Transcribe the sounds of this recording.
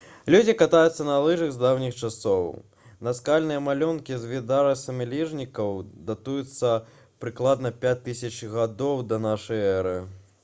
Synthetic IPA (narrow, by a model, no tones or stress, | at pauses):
lʲud͡zʲikat̪ajut̪sːɐnalˠɨʐɨɣzd̪awnʲixt͡ʂasɔw | nɐskalʲnɨjɐmalʲɔnkʲizvʲid̪aɾɐsɐmʲɛlʲiʐnʲikɐwd̪at̪ujut̪sːɐ | pɾɨklˠad̪nɐpʲat͡s̚ʲt̪ːɨsʲɐt͡ʃɣad̪ɔwd̪ɐnaʂɐjɛɾɨ